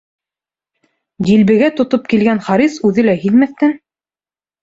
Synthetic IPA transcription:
d̪ʲilβɘ̆ɡæt̪ŏt̪op̚kilɡænχɑɾisʉðɘlæɦilmæθt̪æn

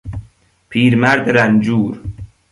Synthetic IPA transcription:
pʰiːɾmæɾd̪ɾænd͡ʒuːɾ

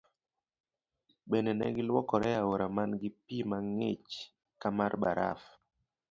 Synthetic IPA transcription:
ɓɛnɛnɛ̰ɡɪlwɔkɔɾɛawoɾamanɡɪpimaŋet͡ʃ | kamaɾɓa̰ɾʔa̰f

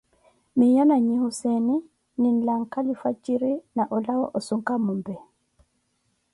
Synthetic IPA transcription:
mijanaɲihusɛnɛ | ninlaŋkalifat͡ʃːiɾinaʔɔlawaʔɔsuŋkamːumbɛ

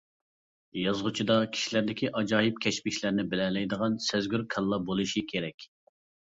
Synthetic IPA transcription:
jɑzʁʊt͡ʃʰid̪ɑkʲʰi̥ʃilæɾd̪ɪkʲʰiʔɑd͡ʒɑːjip̚kʲʰɛʃpɪʃlæɾnɪbɪlɛlɛjd̪əʁɑnsæzɡʲyɾkʰɛlˠːɑbolˠɨʃikʲʰeɾɛkʲ

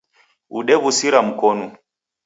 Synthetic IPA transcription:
ṵɗɛβusiɾam̩konu

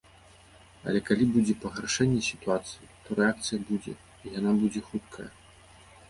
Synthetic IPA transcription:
ɐ̰lʲɛkalʲibud͡zʲɛpɐɣɾaʂɛnʲːɛsʲi̥t̪uat̪sɨjit̪ɔɾɛak̚t̪sɨjɐbud͡zʲɛ̰ | ijanabud͡zʲɛxut̪̚kʰɐjɐ̰

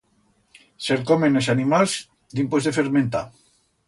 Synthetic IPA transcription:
selkomenesanimalz | d̪impozðefeɾmẽnt̪a

